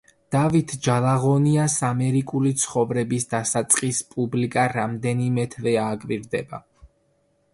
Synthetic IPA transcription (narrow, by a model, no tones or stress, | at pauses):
d̪̥avit̪ʰd͡ʒalˠaʁɔniasamɛɾikʼulit̪sʰχɔvɾɛbisd̪asat̪sʼqʼispʼublikʼaɾamd̪ɛnimɛt̪ʰvɛaːkʼviɾd̪ɛba